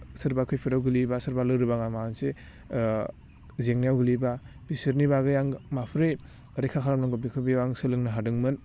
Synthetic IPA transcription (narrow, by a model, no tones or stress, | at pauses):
sɯɾbakʰɯjpʰiɾawɡɯlibasɯɾbalɯɾɯbaŋamanse | zeŋnijawɡɯliba | bisiɾnibaɡɯjaŋmapʰɾej | ɾekʰakʰaɾamnaŋɡobikʰɯbiwaŋsɯlɯŋnɯɦadɯŋmɯn